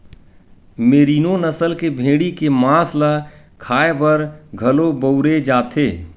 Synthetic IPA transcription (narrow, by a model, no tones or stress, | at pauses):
meːɾiːnonəsəlkebʱeːɽikemãːslə | kʰaːebəɾɡʱɐlobəʊɾed͡ʒaːt̪ʰeː